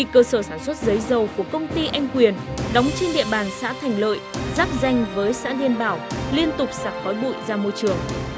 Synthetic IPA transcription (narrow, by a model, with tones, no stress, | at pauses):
ḭ˧˨kəː˧səː˧˩saː˧˩nswə˦˥t̚zə˨˦jzə˨˩wku˧˩kə˧wŋ͡mt̪i˧ʔa˧jŋ̟kwi˨˩ənɗɔ˨˦wŋ͡mt͡ɕe˧nɗḭ˧˨əɓaː˨˩nsa̰ː˧˥t̪ʰɛ˨˩jŋ̟lə̰ː˧˨jzaː˦˥p̚za˧jŋ̟vəː˨˦jsa̰ː˧˥ɗi˧ənɓaː˧˩wli˧ənt̪ʊ˨˩k͡p̚saː˨˩t̚xɔ˨˦jɓṵ˧˨jzaː˧mo˧jt͡ɕɨ˨˩əŋ